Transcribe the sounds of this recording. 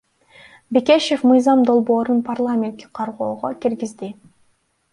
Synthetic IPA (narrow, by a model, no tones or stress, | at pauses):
beke̞ʃe̞fmɯjzɑmd̪o̞lˠbo̞ːɾunpʰarlˠamʲent̪ke̥qʰɑɾʁoːʁokʲiɾɡizd̪i